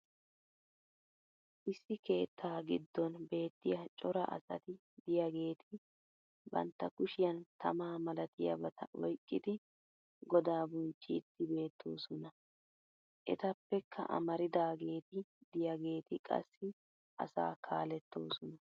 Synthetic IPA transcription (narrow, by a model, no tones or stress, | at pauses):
ʔɪsːɪke̞ːt̪ʰːaːɡɪd̪ːɔnbe̞ːt̪ːɪjɐt͡ʃʼɔɾɐ̰ʔɐ̰sɐ̰t̪ɪ | d̪ɪjɐɡe̞ːt̪ʰɪ | bɐ̰nt̪ːɐkʊʃɪjɐnt̪ʰɐmaːmɐlɐt̪ɪjɐ̰bɐt̪ʰɐ̰ʔɔjkʼːɪd̪ɪ | ɡɔd̪aːbʊnt͡ʃːiːt̪ːɪbe̞ːt̪ʰːoːsɔnɐ | ʔɛ̰t̪ɐpːɛkʰːɐ̰ʔɐ̰mɐɾɪd̪aːɡe̞ːt̪ɪd̪ɪjɐɡe̞ːt̪ɪkʼɐ̰sːɪ | ʔɐ̰sa̰ːkʰaːlɛt̪ːo̞ːsɔnɐ